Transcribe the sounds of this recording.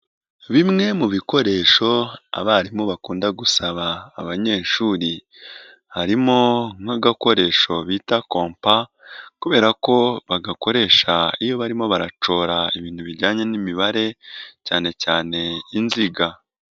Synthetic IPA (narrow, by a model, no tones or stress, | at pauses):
βimŋe̞muβiko̞ɾe̞ːʃo̞a̰βaɾimo̞βakuːndaɡusaβaːβaɲe̞ːʃuɾi | haɾimo̞ŋ̥aɡako̞ɾe̞ʃo̞βiːtako̞ːmpa | kuβe̞ːɾako̞βaɡako̞ɾe̞ːʃaijo̞βaɾimo̞βaɾat͡ʃo̞ːɾaiβiːnhuβiɾɟaːɲe̞nimiβaɾe̞caːne̞caːne̞inziɡa